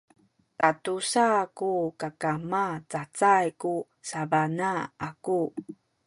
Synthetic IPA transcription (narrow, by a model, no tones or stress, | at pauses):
tatusakukakamat͡sat͡sajku | savanaaku